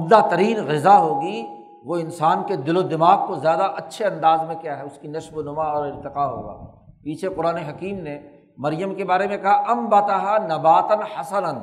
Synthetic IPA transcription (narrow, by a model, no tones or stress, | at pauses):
ʊbd̪at̪ɐɾiːnɣɪzaɦoːɡi | ʋoɪnsaːnked̪ɪlod̪ɪmaːɡ̚kozjaːd̪aʔɐtːʃʰeɐ̃nd̪aːzmẽkjaːɦɛʊskinɐʃbonʊmaɔːɾɪɾt̪ɪqaɦo̰ːɡa̰ː | piːt͡ʃʰeqʊɾaːneɦɐkiːmne | mɐɾjəmkebaːɾemẽkɐɦaʔɐmbaːt̪aɦanɐbaːt̪ənhɐsənən